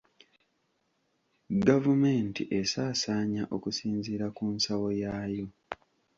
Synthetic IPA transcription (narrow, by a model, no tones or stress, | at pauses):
ɡavume̞ːntḭʔe̞saːsaːɲaʔokusiːnziːɾakunsawo̞jaːjo̞